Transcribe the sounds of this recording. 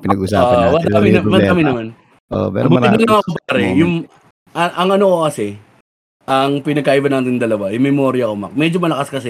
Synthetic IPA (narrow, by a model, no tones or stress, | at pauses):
pɪnɐɡʊsaːʔɐwɐkɐmɪɐmɐkːɐmɪnɐman | ʔo̰mɛ̰ɾbʊt̪ɪɡ̪ɐnnɐŋɐkopaɾɛjʊŋ | ʔɐʔɐŋʔɐnokokɐsɛ | ʔɐŋpɪnɐɡ̚kaʔibɐnaːt̪ɪnd̪ɐlɐwajʊŋmɛmo̞ːɾɪjɐkomɐ̰kmɛd͡ʒomɐlɐkaskɐsɛ